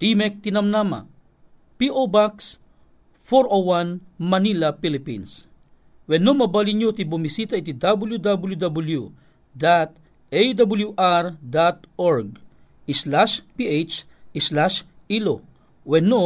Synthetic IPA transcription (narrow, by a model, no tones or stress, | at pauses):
t̪imek̚t̪inamnama̰ | piʔobaks | foɾowanmanilapilipḭns | wɛnomabaliɲjot̪ibumisit̪ait̪id̪abuljud̪abuljud̪abulju | d̪at̪̚ | ejd̪abuljuʔaɾd̪at̪oɹɡ̚ | islaʃpiejt͡ʃ | islaʃ | ilo | wɛno